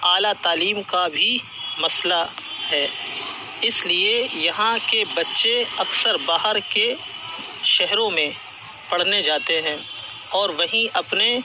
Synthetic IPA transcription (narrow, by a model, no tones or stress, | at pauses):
aːlat̪aːliːmkabʱi | mɐslahɛː | ɪsliejɐɦãkebɐtːʃeɐksəɾbaːɦəɾke | ʃɛɦɾõmẽ | pɐɽ̤ned͡ʒaːt̪eɦɛ̃ː | ɔːɾʋɐɦĩʔɐpne